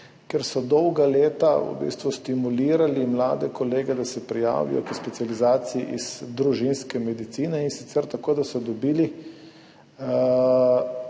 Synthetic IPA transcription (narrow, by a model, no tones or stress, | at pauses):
kɛɾsɔd̪ɔwɡaleːt̪aṵbḭst̪ʋust̪imuliːɾalimla̰ːd̪ɛkɔleːɡɛd̪asɛpɾija̰ːʋḭjɔ̰kəspɛt̪sializaːt̪siiʔiz̥d̪ɾuʒinskɛmɛd̪it̪siːnɛinsi̥t̪sɛɾt̪akoːd̪asɔd̪ɔbiːli